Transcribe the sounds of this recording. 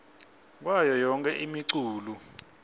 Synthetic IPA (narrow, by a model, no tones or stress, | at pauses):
k̬wajɔjɔŋkʼɛʔimiǀuːlu